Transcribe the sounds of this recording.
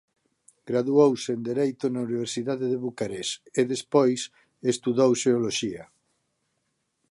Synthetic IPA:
ɡ̥ɾaðuowsend̪eɾejt̪ʊnauniβ̞eɾsiðaðeðeβukaɾeseðespojs | est̪uðowseoloʃia

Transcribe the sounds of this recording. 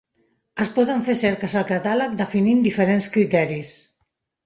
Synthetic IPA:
əspɔðəɱfesɛɾkəsəlˠkat̪alək̚d̪əfinind̪ifəɾenskɾit̪ɛɾis

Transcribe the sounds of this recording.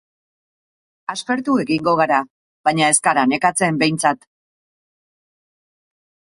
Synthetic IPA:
aspe̞ɾt̪ue̞ɣiŋɡo̞ɣ̞aɾa | βajɲae̞skaɾane̞kat͡se̞mbe̞jnt͡sat̪

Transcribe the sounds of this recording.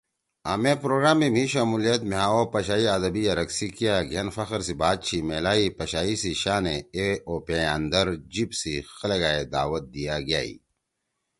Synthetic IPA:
aːmepɾoːɡɾaːmːimĩʃamulijɐt̪meɦaːopɐɕaːiɐd̪ɐbijaɾɐksikijaɡʱenfɐxəɾsibaːd̪̚t͡ɕʰimeːlaːipɐɕaːisiɕaːneeoːpeand̪ɐɾd͡ʑibsixɐlɐɡaːed̪a̰ːwɐt̪̚d̪ijaɡja̰ːḭ

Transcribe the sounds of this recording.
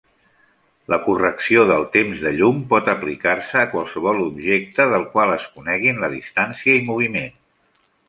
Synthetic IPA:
ləkurəksioðəlˠt̪emzðəʎumpɔt̪əplikarsəːkwalˠsəβɔlubʒek̚t̪əðəlˠkwalˠəskunɛɣinləðist̪ansiəimuβ̞imen

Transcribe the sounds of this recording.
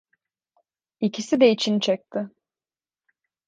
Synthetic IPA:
icʰisid̪ɛit͡ʃʰint͡ʃʰɛk̚t̪ʰɪ

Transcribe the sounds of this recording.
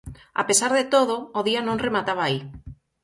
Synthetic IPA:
a̰pesaɾðet̪oð̞oːðianõŋremat̪aβaːi

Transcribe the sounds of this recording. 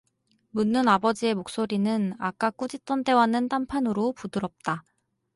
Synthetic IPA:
munːɯnabʌd͡ʑie̞mok̚s͈oɾinɯna̰k͈ak͈ud͡ʑit͈ʌnte̞wanːɯntampʰanɯɾopudɯɾʌp̚t͈a

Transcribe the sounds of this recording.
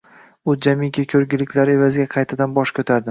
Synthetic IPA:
ʊd͡ʒamɪkʲakʲʰɵɾɡʲɪlɪkʲʰlaɾe̞vazɪɡʲaqʰɑjt̪ʰad̪anbɒʃkʲʰɵt̪ʰaɾd̪ɪ

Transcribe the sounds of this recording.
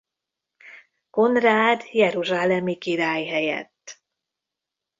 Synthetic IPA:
ko̞nraːd̪jɛɾuʒaːlɛmikiɾaːjɦɛjɛ̰t̪ː

